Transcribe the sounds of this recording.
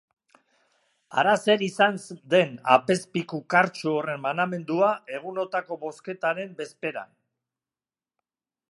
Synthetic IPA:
a̰ɾase̞ɾisansd̪e̞na̰pe̞spikukaɾt͡ʃoore̞mmaname̞nd̪uae̞ɣ̞uno̞t̪ako̞βo̞ske̞t̪aɾe̞mbe̞spe̞ɾa̰n

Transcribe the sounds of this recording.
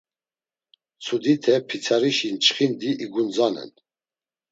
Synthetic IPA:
t͡sʰud̪it̪ʰɛpʰit͡sʰaɾiʃint͡ʃχind̪iʔiɡund͡zanɛ̰n

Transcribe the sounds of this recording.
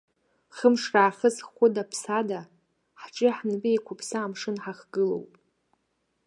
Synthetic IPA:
χəmʂraːχəzχʷʊdapʰsada | ħʈ͡ʂʼɪħnbejkʷʰʊpʰsaːmʂɨnħaχɡ̥ɨlo̞̰wpʼ

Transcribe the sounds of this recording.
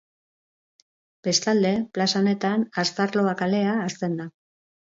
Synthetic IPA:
b̥e̞st̪ald̪e̞plasaone̞t̪anast̪aɾlo̞akale̞aːst̪e̞nd̪a

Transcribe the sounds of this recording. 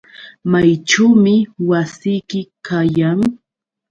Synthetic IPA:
majʈ͡ʂaːmɪwasɪjkɪkajaŋ

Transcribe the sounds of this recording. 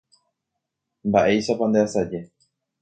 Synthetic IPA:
mbaʔe̞jʃapand̪easad͡ʒe̞

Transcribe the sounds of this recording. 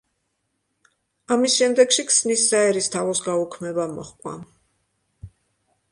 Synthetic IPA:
amisʃɛmd̪ɛkʃikʰsnisːaɛɾist̪ʰavɔsɡaukʰmɛbamɔ̰χkʼwa̰

